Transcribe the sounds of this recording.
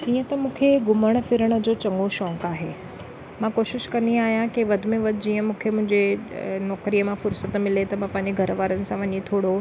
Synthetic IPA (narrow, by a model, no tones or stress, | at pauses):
iːə̃t̪ɐmũːkʰeɡʊməɽ̃̆fɪɾəɽ̃ə̆d͡ʑoːt͡ɕɐ̃ŋɡoʃɔ̃ːkaːɦeː | mãkoːʃɪʃkɐnd̪iaːɦijãkiʋɐd̪ʱmẽʋɐd̪ʱʊd͡ʑiːə̃mũːkʰemʊ̃ɦɪ̃ɲd͡ʑenɔːkɾiːjəmãfʊɾsət̪mɪlet̪ɐmãpɐ̃ɦɪ̃ɲd͡ʑeɡʱɐɾʋaːɾənɪ̆sãʋɐɲit̪ʰoːɽo